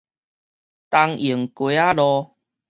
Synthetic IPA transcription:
t̪a˧ŋi˨˩ŋkwe˨˦a˦lɔ˧

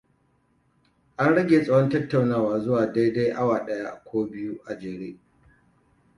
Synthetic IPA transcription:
ʔa˦nɽɐ˦ɡʲeː˨sʼɐ˦wɔ˦ntɐ˦tːa˨wnaː˦waː˨zʊ˦waː˨da˦jda˦jʔa˦waː˨ɗɐ˦ja˦ʔkʷoː˦bɪ˦ju˦ʔa˨d͡ʒeː˨ɽeː˦

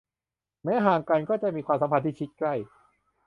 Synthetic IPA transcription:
mɛː˦˥ɦaː˨˩ŋka˧nkɔː˥˩t͡ɕa˨˩miː˧kwaː˧sa˨˦mpʰa˧t̪ʰiː˥˩t͡ɕʰi˦˥t̪̚kla˥˩j

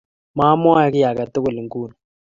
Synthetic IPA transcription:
ma˦mɔ˦a˨˦kɪ˦ja˨ka˨to˦kʊ˨li˨ŋkuː˦˨nu˨

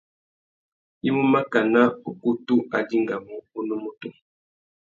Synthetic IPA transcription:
i˦mu˦ma˦ka˨na˦o˨ku˦tu˦ʔa˨di˦ŋɡa˨mo˨o˦nu˦mo˦to˦

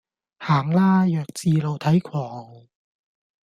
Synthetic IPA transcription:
haː˨˩ŋlaː˥jœː˨˩k̚t͡siː˧lo˨˧wt̪ʰɐ˨˥jkʷʰɔː˨˩ŋ

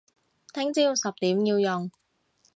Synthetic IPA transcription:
t̪ʰɪ˥ŋt͡siː˧˥wsɐ˨p̚t̪iː˨˥mjiː˧wjo˨ŋ

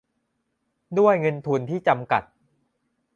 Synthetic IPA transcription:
du˥˩əjŋɤ˧nt̪ʰu˧nt̪ʰiː˥˩t͡ɕa˧mka˨˩t̪̚

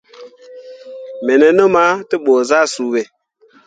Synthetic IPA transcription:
mɛ˨nɛ˨no˦ma˦ti˦ɓo˨za˦su˨we˨

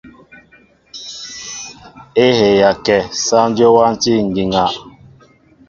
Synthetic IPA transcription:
e˦he˨ja˨kɛ˨sa˦n˦d͡ʒo˦wa˦n˦ti˦˨ŋ̩˨ɡi˨ŋa˨

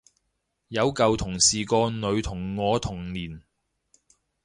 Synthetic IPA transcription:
jɐ˨˧wkɐ˨wt̪ʰʊ˨˩ŋsiː˨˩kɔː˧nɵ˨˧ɥt̪ʰʊ˨˩ŋːɔː˨˧t̪ʰʊ˨˩ŋliː˨˩n

